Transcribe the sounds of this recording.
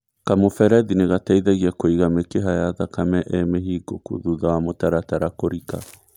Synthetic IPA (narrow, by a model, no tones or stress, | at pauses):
kamofɛɾɛðineɣataiðɛɣiakoiɣamekeɦajaðakamɛʔɛmeɦiɡokṵðuðawamotaɾataɾakoɾika̰